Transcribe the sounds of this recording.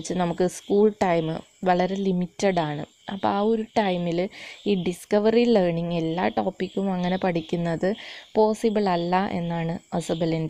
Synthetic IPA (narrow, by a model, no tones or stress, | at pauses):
t͡ɕːɨnɐmukːɨskuːɭʈɐjmɨ | ʋɐɭɐɾe̞limitːɐɽaːɳɨ̰ | ɐpːɐ̰aːo̞ɾuʈɐjmiliːɖiskɐʋɐrilerɳiŋe̞lːa̰ːʈo̞ːpːikʲːumɐŋːɐne̞pɐʈʰikʲːunːɐðɨpo̞ːsibɨɭɐlːɐʔe̞̰nːaːɳɨɐsɐbɐlind